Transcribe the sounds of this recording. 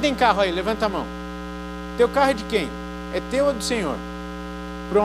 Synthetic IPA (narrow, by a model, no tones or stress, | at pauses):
d̪ẽj̃kaɦʊailevɐ̃nt̪ɐmɐ̃w̃ | t̪ewkaɦʊɛd͡ʒɪkẽj̃ | ɛt̪ewɐd̪ʊsẽɲo̰ɾ | pɾõ